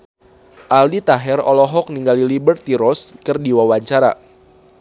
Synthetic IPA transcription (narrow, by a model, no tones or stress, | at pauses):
ʔaldit̪aɦɛrɔ̰lɔɦɔk̚niŋɡalilibərt̪iɾɔskɨrdiwawaɲt͡ʃaɾa̰